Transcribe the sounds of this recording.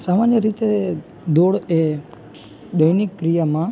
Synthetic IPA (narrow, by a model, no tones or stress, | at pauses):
samanjəɾit̪e | d̪oɽe | d̪əjnikːɾijamã